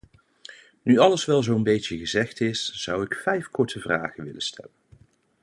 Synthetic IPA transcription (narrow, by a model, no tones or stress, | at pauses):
nyɑləsʋɛlˠzownbejtəɣəzɛχtɪsz̥ʌwɪkfɛjfkɔɹtəvra̰ːχənʋɪləstʰɛ̰lən